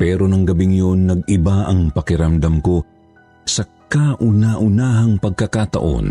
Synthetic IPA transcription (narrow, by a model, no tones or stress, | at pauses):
pɛːɾo̞nɐŋɡɐbɪŋjo̞nːɐɡɪbaʔɐŋpɐkɪɾɐmd̪ɐmko̞ | sɐ | kaʔʊnaʔʊnaɦɐŋpɐɡ̚kɐkat̪ɐ̰ʔo̞̰n